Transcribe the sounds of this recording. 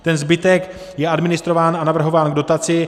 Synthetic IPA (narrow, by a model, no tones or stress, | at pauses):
t̪ɛnzbɪt̪ɛk | jɛʔadmɪnɪst̪ɾo̞vaːnanavr̩ɦo̞vaːnɡdo̞t̪at͡sɪ